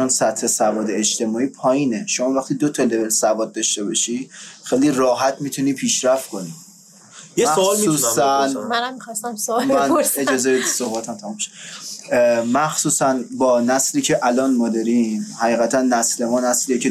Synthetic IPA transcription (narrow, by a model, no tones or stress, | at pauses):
onsæt̪he̞sævɒːd̪eet͡ʃt̪e̞mɒːiːpʰɒːjiːneʃomɒːvæχt̪iːd̪ot̪ʰelevelsævɒːd̪̚ːɒʃt̪ebɒʃixejliːrɒːɦæt̪ʰmiːt̪ʰuniːpʰiːʃɾæft̪̚ko̞niː | jemæsolsiuːsænænammixɒst̪æmsolmæned͡ʒɒːzebe̞d̪isobɒːt̪ʰæmt̪ʰæmumbʃo̥ | mæxsuːsænbɒːnæsliːcʰeʔælɒːnmɒːd̪ɒɾimhæʁiːɣæt̪ʰænːæsle̞mɒːnæsliːecʰe